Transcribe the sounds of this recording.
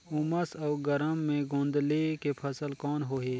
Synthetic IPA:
ʊməsɐːɡəɾəmːẽɡõːnd̪lekepʰəsəlkɔːnɦoːɦeː

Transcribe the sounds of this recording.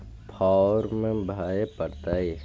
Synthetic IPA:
pʰaːɾmẽbʱaːepəɾt̪ae

